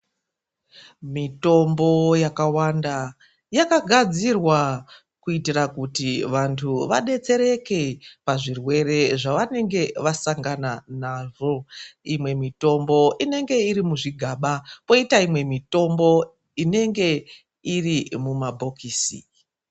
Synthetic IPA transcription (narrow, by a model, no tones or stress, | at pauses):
mito̞mbo̞jakawanda | jakaɡʱad͡zirwa | kuitirakutiʋantʰuʋaɗe̞t͡se̞ɾe̞ke̞paʐirwe̞re̞ʐaʋane̞ŋɡe̞ʋasaŋɡananaːʐo̞imwe̞mito̞mbo̞ine̞ŋɡe̞iɾimuʐiɡʱaɓapo̞itaimwe̞mito̞mbo̞ | ine̞ŋɡe̞ | irimumabʱo̞kʰiːsḭ